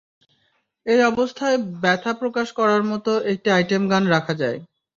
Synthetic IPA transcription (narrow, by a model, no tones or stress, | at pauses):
ejɔbost̪ʰaebɛt̪ʰapɾokaʃkɔɾaɾmɔt̪oʔek̚ʈiajʈemɡanɾakʰad͡ʑae